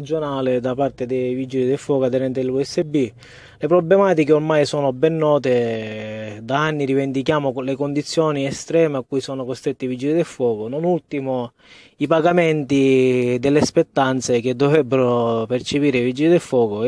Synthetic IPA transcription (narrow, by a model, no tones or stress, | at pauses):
d͡ʒːonaːlɪd̪apart̪ed̪evid͡ʒilid̪elfːwɔːkoad̪ːɛɾɛnt̪eluɛsːebi | lepɾɔblemaːt̪ikeormajsɔːnʊbɛnːɔːt̪e | d̪aanːiɾivend̪ikjaːmʊlekond̪it̪sːjɔːniɛst̪ɾɛːmeakːujsɔːnokost̪ɾet̪ːiavid͡ʒːilid̪elfːwɔːkononult̪imʊ | ipaɡamɛnt̪id̪elːspet̪ːant̪sek̟ed̪ːɔvɾɛbːeɾopert͡ʃepiːɾevid͡ʒːilid̪elfːwɔːkʊ